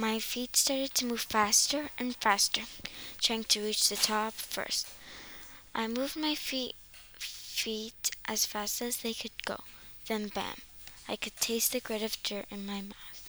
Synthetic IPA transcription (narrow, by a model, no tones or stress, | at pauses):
maɪfitstɑɹɾɨd̚tʰɨmuv̥fæstə˞ʔɨ̃nfæstə˞tʰɹ̥aɪɪ̃ŋtʰɨɹit͡ʃðɨtʰɑpfɜ̰˞st | ʔaɪmuvmaɪfi | fiɾʔɨz̥fæstɨzðeɪkʰɨd̚ɡo̰ʊ | ðɨ̃nbæ̰̃maɪkʰɨd̚tʰeɪst̪̚ðɨɡɹeɪɾʌvdə˞ʔɨ̃nmaɪmaʊθ